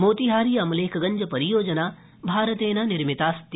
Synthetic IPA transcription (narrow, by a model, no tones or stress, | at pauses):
moːt̪iɦaːɾijɐmleːkʰɐɡɐɲd͡ʒɐpɐɾijoːd͡ʒɐnaː | bʱaːɾət̪eːnanɪɾmɪt̪aːst̪